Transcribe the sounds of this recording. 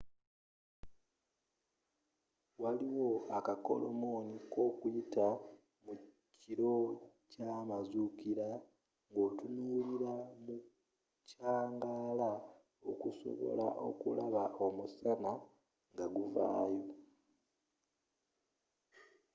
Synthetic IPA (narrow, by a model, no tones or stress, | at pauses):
waliwo̞akako̞̰lo̰mo̞niko̞ːkujita | mu | ciɾo̞ | camazukiɾa | ŋɡo̞ːtunuːliɾamu | caːŋɡaːla | o̞kuso̰βo̞̰la̰ʔo̞̰kṵlaβaʔo̞musana | ŋɡaɡuva̰ːjo̞